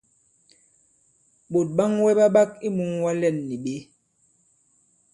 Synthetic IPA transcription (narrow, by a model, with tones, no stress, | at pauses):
ɓo˨t̚ɓa˦ŋwɛ˦ɓa˦ɓa˦k̚i˦mu˨˦ŋwa˦lɛ˦˨nːi˨ɓe˦